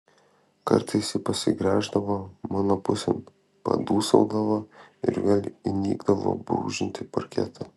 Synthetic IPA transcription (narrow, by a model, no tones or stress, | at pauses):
kɐ̰ɾt̪ɐɪsʲɪpɐsʲɪɡɾʲæːʒd̪ɐʋoːmɑːnoːpʊsʲɛ̰m | pɐ̰d̪uːsɐʊd̪ɐʋoːɪ̰ɾʋʲeːlʲinʲiːɡd̪ɐʋo̰ːbɾṵːʒʲɪnʲt̪ʲɪpɐɾʲkʲɛ̰t̪ʰɐ